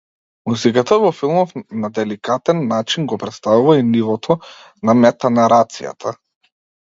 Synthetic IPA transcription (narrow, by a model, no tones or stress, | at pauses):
muzikat̪avɔfilˠmɔfnad̪ɛlikat̪ɛnːat͡ʃinɡɔpɾɛt̪st̪avuvainivɔt̪ʰɔ | namɛt̪anaɾat̪sḭja̰t̪ʰa